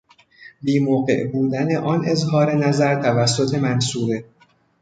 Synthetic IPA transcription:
biːmoːɣe̞̰ʔbuːd̪æne̞ʔɒnʔe̞zɦɒːɾe̞næzæɾt̪ʰævæsːo̞t̪ʰe̞mænsuːɾe

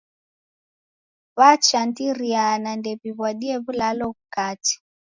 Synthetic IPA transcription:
βat͡ʃantiɾianandɛpiβwaɗiɛβulalɔβukati̥

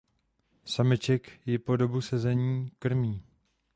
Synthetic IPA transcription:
samɪt͡ʃɛkjɛpo̞do̞busɛzɛɲiːkr̩miː

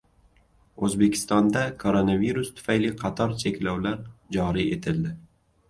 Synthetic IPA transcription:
ɵzbe̞kʲʰɪ̥st̪ɒnd̪akʰoɾonaviɾʊst̪ʰʊ̥fajlɪqʰɑt̪ʰɒɾt͡ʃʰe̞kʲlawlaɾd͡ʒɒɾie̞t̪ʰɪld̪ɪ

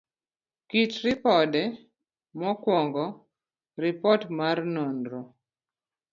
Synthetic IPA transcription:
kitɾipɔdɛ | mɔkwɔŋɡɔ | rɪpɔtmarnɔnɾo

